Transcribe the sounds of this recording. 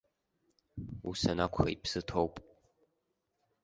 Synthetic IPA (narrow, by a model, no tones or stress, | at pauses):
ṵsɐnakʷʰxɐipsɨtʰowpʼ